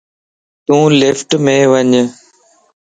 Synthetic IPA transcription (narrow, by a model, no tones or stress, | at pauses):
t̪ũːlɪfʈmẽːʋəɲ